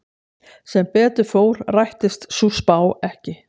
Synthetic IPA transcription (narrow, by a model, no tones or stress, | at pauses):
sɛmpɛːt̪ʏɾfoːwɾ̥rajht̪ɪst̪suspaːwɛhcɪ